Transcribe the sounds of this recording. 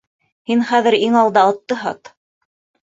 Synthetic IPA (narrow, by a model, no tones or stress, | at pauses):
hinχæðɘ̆ɾiŋɑlˠd̪ɑɑt̪ːɤɦɑ̰t̪